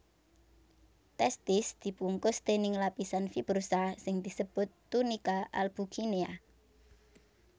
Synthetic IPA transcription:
t̪ɛst̪ɪsd̪̥i̤puŋkʊst̪enɪŋlapisanfib̥ɾusasɪŋd̪̥i̤səb̥ʊt̪ːunikaʔalb̥uɡinea

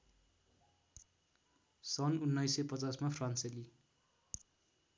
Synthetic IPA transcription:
sʌnunːʌjsepʌt͡sasmapʰranseli

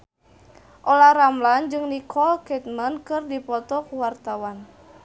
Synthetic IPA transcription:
ʔɔlaɾamland͡ʒɨŋnikʰɔlkɛt̪̚mənkɨrdipɔt̪ɔkuwart̪awan

